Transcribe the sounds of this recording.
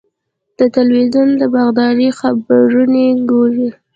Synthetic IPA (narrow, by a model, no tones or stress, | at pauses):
d̪̥ət̪alwizund̪əbaɣd̪ɑɾixabaɾuneɡoɾi